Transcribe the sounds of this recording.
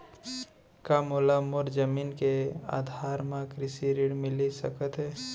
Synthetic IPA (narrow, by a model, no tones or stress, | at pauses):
kamoːlamoɾd͡ʒəmiːnkea̰ːd̪ʱaːɾmãkɾɪsiɾiɽmɪlisə̰kət̪ɦɛː